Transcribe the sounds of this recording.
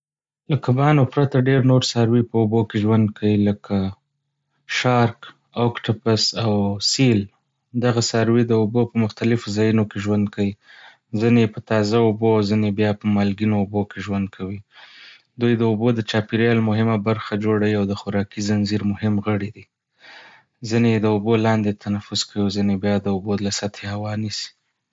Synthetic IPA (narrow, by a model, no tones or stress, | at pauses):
lakabɑnopɾat̪aɖeɾnoɾsaɾwipəubokeʒwand̪̚kʰawiləkʰa | ʃɑɾk | okʈapasawsil | d̪aɣasaɾwid̪əobopəmʊxt̪alɪfozɑjinokeʒwand̪̚kawi | zinepət̪ɑzaoboawzinebjɑpəmɑlɡinoːbokeʒwand̪̚kʰawi | d̪ujd̪əobod̪ət͡ʃɑpiɾjɑlmʊɦɪmabaɾxad͡ʒoɽawiawd̪əxʊɾɑkizanziɾmʊhɪmɣəɽid̪i | zined̪əobolɑnd̪et̪ʰanafʊzkʰawizinebjɑd̪əubolasat̪ʰehawɑnisi̥